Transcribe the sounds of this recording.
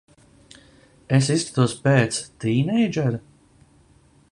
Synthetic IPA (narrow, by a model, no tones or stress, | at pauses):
es̬ist̪ḁt̪uɔspeːt̪st̪iːnɛjd͡ʒɛɾ